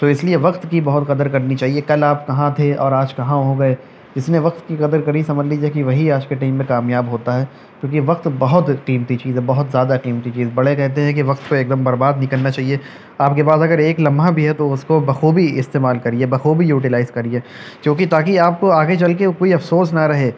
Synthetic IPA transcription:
t̪oɪslieʋɐqt̪kibɐɦʊt̪qɐd̪əɾkɐɾnit͡ʃaːɦiekɐlaːpkɐɦãt̪ʰeʔɔːɾaːd͡ʒkɐɦãɦoɡɐe | d͡ʒɪsneʋɐq̚t̪kiqɐd̪əɾkɐɾisɐməd͡ʒliːd͡ʒɦɛkiʋɐɦiaːd͡ʒkeʈaːɪmːẽkaːmjaːbɦoːt̪aɦɛː | kjõːk̬iʋɐq̚t̪bɐɦʊt̪qiːmt̪it͡ʃiːzɦɛ̃bɐɦʊt̪zjaːd̪aqiːmt̪it͡ʃiːzbɐɽekɛɦt̪̬eɦɛ̃k̬iʋɐqt̪koeːk̚d̪əmbɐɾbaːd̪nɪkəlnat͡ʃaːɦie | aːp̚kepaːd̪ɐɡəɾeːklɐ̃mbʱabʱiɦɛt̪oʊskobɐxuːbiɪst̪eːmaːlkɐɾiebɐxoːbijuːʈɪlaːɪzkɐɾie | kõːkit̪aːkiaːp̚koaːɡet͡ʃɐlk̬eokoːiɐfsoːsnaɾɐɦeː

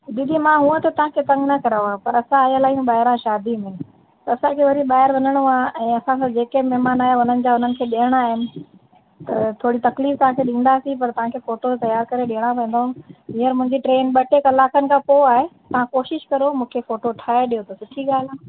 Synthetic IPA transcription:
did̪ʱimãɦũə̃t̪ɐt̪ɐʋ̤ãkʰet̪ɐ̃ŋɡnɐkɐɾaoaːpɐɾɐsãaːjəlaːɦũɓaːɦɪɾãʃaːd̪imɪ̃nɪ̆ | t̪ɐɐsãkʰeːʋɐɾiɓaːɦɪɾʋɐɲəɽ̃oaːʔɛ̃ːɐsãsãd͡ʑeːkemɛɦmaːnaːɦeʊn̤ənɪ̆d͡ʑaːʊn̤ənɪ̆kʰeːɗijəɽ̃aːɦɪmɪ̆ | t̪ɐt̪ʰoːɽit̪ɐkliːft̪ɐʋ̤ãkʰeɗĩːn̆d̪asipɐɾt̪ɐʋ̤ãkʰeːfoːʈot̪ɐjaːɾkɐɾeɗiəɽ̃apɐ̃ːn̆d̪oɦnɦiəɾmʊ̃ɪ̃ɲd͡ʑiʈɾeːnɓɐʈekɐlaːkənɪ̆kʰãːpoaːɦet̪ɐʋ̤ãkoːʃɪʃkɐɾomũːkʰefoːʈoʈʰaːeɗijot̪ʰosʊʈʰiɠaːl̤aː

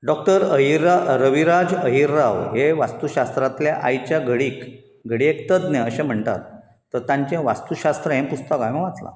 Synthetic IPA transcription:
ɖɔk̚ʈəɾəɦiɾaɾəʋiɾad͡zəɦiɾːaʋɦeʋast̪uɕast̪ɾat̪ljaʔajt͡ɕjaɡəɽiːk | ɡʱəɽiekt̪əd͡zneəɕẽm̤əɳt̪a̰t̪ː | əɾt̪ãɲt͡ɕẽʋa̰st̪uɕast̪ɾəɦẽmpust̪əkajməʋat͡sla̰

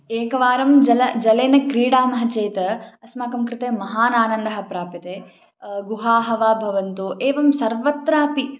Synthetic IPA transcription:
eːkɐʋaːɾɐmd͡ʒɐlɐd͡ʒɐleːnɐkɾiːɽaːmɐɦɐt͡ʃeːt̪ɐɐsmaːkɐmkɾɪt̪eːmɐɦaːnaːnɐnd̪ɐɦɐ̆pɾaːpit̪eː | ɡuɦaːɦɐʋaːbʱɐʋɐnt̪uʔeːʋɐmsɐɾʋɐt̪ɾaːpi

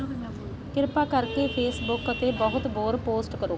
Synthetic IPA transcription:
kɪɾpaːkəɾkeːpʰeːsbʊkət̪eːbəɦʊt̪bɔːɾpoːsʈkəɾoː

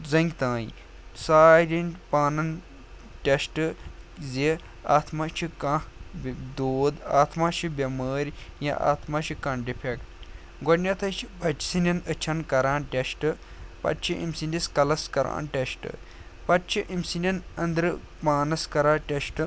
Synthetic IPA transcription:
zɐŋɡʲt̪ãːji | saːɾʲinpaːnɐn | ʈʲesʈɨzi | a̰ːt̪ʰmat͡ʃʰikɐ̃ | d̪oːd̪aːt̪ʰmaːt͡ʃʰibʲɐmaːɾʲja̰ʔa̰ːt̪ʰmɐt͡ʃʰikɐnɖipʰekt | ɡonʲɐt̪ʰɐt͡ʃʰibɐt͡ʃi̥sinʲɐnət͡ʃʰɐnkɐɾaːnʈʲesʈɨ | pɐ̰t̪t͡ʃʰiʔḭmsiniskɐlɐskɐɾa̰ːnʈʲeʃʈɨ̰ | pɐt̪̚t͡ʃʰiʔimsinʲɐnɐnd̪ɾɨ | paːnɐskɐɾaːʈʲesʈɨ

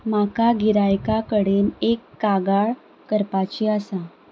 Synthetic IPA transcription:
makaɡiɾajkakəɽenekːaɡaɭ | kəɾpat͡ɕiəsa

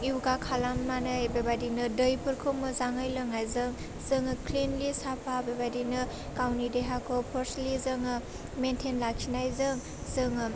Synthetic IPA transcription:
iwɡakʰalamːanajbebadinɯdɯjpʰɯɾkʰomɯzaŋɯjlɯŋajzɯŋ | zɯŋɯkʰlinlisapʰabebadinɯ | kawnideɦakʰopʰɔɾslizɯŋɯ | mentʰenlakʰinajzɯŋ | zɯŋɯ

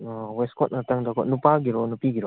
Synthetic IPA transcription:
weskʰɔt̚nataŋdakʰɔnupaɡiɾɔnupiɡiɾɔ

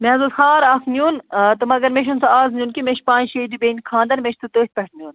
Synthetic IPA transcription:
mezulxãːɾaːfnʲuːnt̪ɨmɐɡɐɾmeʃunsaaːznʲjuːnkimeʃpãːnʃeːd̪ibeːnʲkʰãːnd̪ɐnmeʃʰt̪ʰut̪oːt̪̚ʲpʲɐʈʰnʲuːn

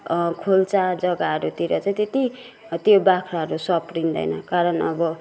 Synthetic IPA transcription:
kʰolt͡sad͡zʌɡaɦʌɾut̪iɾʌt͡sãĩt̪et̪i | t̪jobakʰɾaɦʌɾusʌprind̪ʌ̰jnʌ̰kaɾʌnʌ̰bʌ

